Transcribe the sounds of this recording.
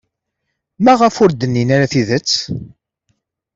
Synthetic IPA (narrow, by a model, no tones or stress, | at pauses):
mæʁəfʊɾd̪ənːinaɾaθiðət͡sː